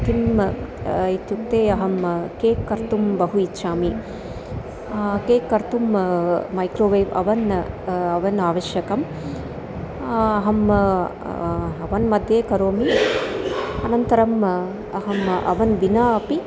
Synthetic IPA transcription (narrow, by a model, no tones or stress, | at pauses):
t̪im | it̪jukt̪eːɐɦɐmkeːkːɐɾt̪umbɐɦuitːʃaːmi | keːkːɐɾt̪ummɐjkɾoːʋɐjʋɐ̰ʋɐnɐʋɐnaːʋɐʃjɐkɐm | ɐɦɐm | ɐʋɐnmɐd̪ʱjeːkɐɾoːmi | ɐnɐnt̪ɐɾɐm | ɐɦɐmʔɐ̰ʋɐnʋinaːɐpi